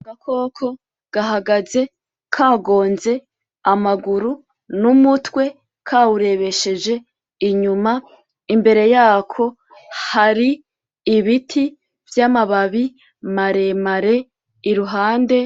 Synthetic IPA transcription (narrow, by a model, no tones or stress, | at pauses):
ɡakʰo̞ːkʰo̞ | ɡ̥aɦaɡaze̞ | kʰaːɡo̞ːnze̞ | amaɡuɾu | numutwe̞ | kʰaːwuɾe̞βeʃe̞d͡ʒe̞ | iɲuma | imbe̞ɾe̞jaːkʰo̞ | haɾiː | βitʰi | vjamaβaβi | maɾe̞maɾe | iɾuɦaːnde̞